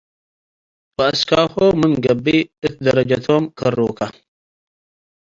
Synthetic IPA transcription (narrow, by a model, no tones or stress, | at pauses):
baaskaxomɨnɡɐbːiɨt̪̚dɐɾɐd͡ʒatʰomkɐɾuka